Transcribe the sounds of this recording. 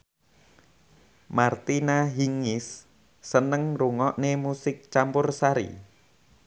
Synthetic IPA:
mart̪inaɦiŋɪsː | ənəŋruŋɔʔnemusɪk̚t͡ʃampʊrsaɾḭ

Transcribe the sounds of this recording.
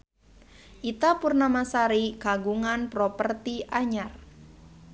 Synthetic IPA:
ʔit̪apurnamasaɾikaɡuŋanpɾɔpərt̪iʔaɲar

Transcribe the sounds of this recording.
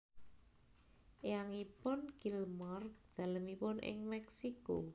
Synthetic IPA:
jaŋipʊnkilmɔrd̪̥a̤ləmipʊnʔɪ̰ŋmɛksiko

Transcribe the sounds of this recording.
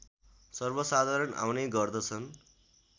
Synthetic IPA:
sʌrbʌsad̪ʱaɾʌna̰wneɡʌrd̪ʌt͡sʰʌn

